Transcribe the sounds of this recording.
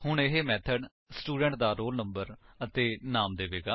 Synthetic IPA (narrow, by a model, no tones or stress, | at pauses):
hʊɳɪɦeːmɛːt̪ʰəɖ | sʈuːɖɛ̃ɳʈ̚d̪aːɾoːlnəmbəɾət̪eːnaːmd̪eːʋeːɡaː